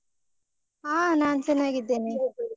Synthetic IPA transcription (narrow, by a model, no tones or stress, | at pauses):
aːnaːnt͡ʃɛnːaːɡid̪ːeːne